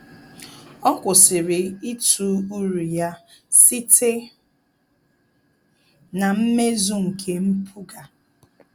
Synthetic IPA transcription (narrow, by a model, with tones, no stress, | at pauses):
ɔ˦kʷʊ˨sɪ˨ɾɪ˨i˦tu˨u˦ɾu˨ja˦ | si˦tʰe˦ | na˨m̩˦me˦zu˦ŋ̩˨kʰe˨m̩˦pʰu˦ɡa˨